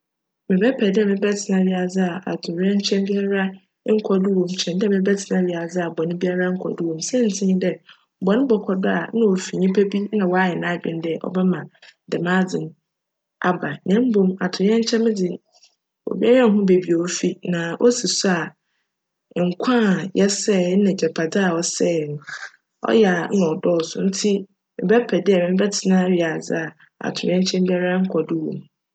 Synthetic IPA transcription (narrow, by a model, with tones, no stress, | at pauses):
mɪ̃˨bɛ˦pʰɛ˨dɪ˦ɛ˨mɪ̃˨bɛ˦tʰɪ˨nã˨bɪ˨a˨d͡zɪ˦a˨ʔa̰˨tʰʊ˨ɾɛ˦ɲ˦t͡ɕʰɛ̃˦mbi˦a˦ɾa˦ | ŋ̩˦kʷʰɔ˨dʊ˦wɔ̃˨mt͡ɕʰɛ̃˨ndɪ˦ɛ˦˨mɪ̃˦bɛ˦tʰɪ˨nã˦bi˨a˨d͡zɪ˦a˨bɔ˨nʊ̃˦bi˦a˦ɾa˦ŋ̩˦kʷʰɔ̰˨dʊ˦wɔ̃˨msɛ˦n̩˨tʰɪ̃˦ɲĩ˦dɛ˦˨ | bɔ˨nɪ̃˦bɔ˨kʰɔ˨dʊ˦a˨nã˦o˨fi˨ɲĩ˦pʰæ˦bi˦nã˨wɔ˨˦a˦jɛ˨nã˦˨bɪ̰̃˨n˦dɛ˦˨ʔɔ̰˨bɛ˦mã˨dɛ˨mã˦d͡zɪ̃˨n˦ | a˨ba˨nɛ̃˦m̩˦bõ˦ma˨tʰʊ˨˦ɛ̃˦ɲ˦t͡ɕʰɛ̃˦mɪ̃˦dɪ˨ | o̰˨bi˦ɛ˦ɾa˦n˦ɦʊ̃˦be˨bi˨o˨o˦fi˦nã˨ʔo˦si˨sʊ˦a˨ | ŋ̩˨kʷʰã˦˨jɛ˦sɛ˦˨˦nã˨d͡ʑɛ˨pʰa˨dɪ˦a˨ɔ˦sɛ˦˨ñ˨ | ɔ̰˦jɛ˨a˨n˦ã˨ɔ˨dɔː˦ɔ˨sʊ̰˨n̩˦tʰi˦ | mɪ̰˨bɛ˦pʰɛ˨dɪ˦ɛ˨mɪ̃˨˦m˦bɛ˦tʰɪ˨nã˦ɥi˨a˨d͡zɪ˦a˨ | a̰˨tʰʊ̃˨˦ɛ̃˦ɲ˦t͡ɕʰɛ̃˦m˦bi˦ɛ˦ɾa˦ŋ̩˦kʷʰɔ˨dɪ˦wo̰˨m˨